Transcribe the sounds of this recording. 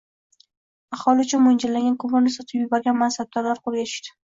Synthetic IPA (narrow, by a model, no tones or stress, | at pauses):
ɑχhɒlˠɪʊt͡ʃʰʊmʊnd͡ʒɪlaŋɡʲankʰomonɪsɒt̪ʰɪbjʊbaɾɡʲanmansab̚d̪ɒɾlaɾqolˠɡʲat̪ʰɪ̥ʃd̪ɪ̥